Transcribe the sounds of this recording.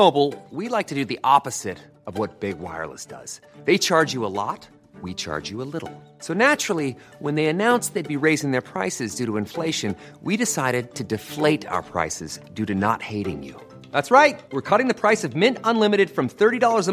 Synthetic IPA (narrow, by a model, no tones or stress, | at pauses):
oʊbl̩ˠwilaɪk̚tʰɨdɨðiʔɑpɨz̥ɪɾ | ʌvwʌt̚b̥ɪɡwa̰ɪə̰˞lˠə̰sd̥ʌ̰z̥ðeɪt͡ʃʰɑɹd͡ʒjɨəlɔ̰t̚ | wit͡ʃʰɑ̰ɹd͡ʒjɨəlɪɾl̩ˠ | soʊnæt͡ʃɹ̥l̩ˠi | wə̃nðeɪɨnãʊ̃nsðeɪd̚biɹeɪzɪ̃ŋðə˞pʰɹ̥aɪsɨzdʉɾəɨ̃ɱfleɪʃɨ̃n | wiɾɨsaɪɾɨd̚tʰɨdɨfleɪɾa̰ʊə˞pʰɹ̥a̰ɪsɨzdʉɾɨnə̰t̚heɪɾɪ̰̃ŋjʉ̰ | ðætsɹaɪt̚wɨɹkʰʌɾɪ̃ŋðɨpʰɹ̥aɪsʌvmɪ̃ntə̃nlɪ̃mɨɾɨd̥fɹʌ̃mθɜ˞ɾidɔlˠə˞zʌ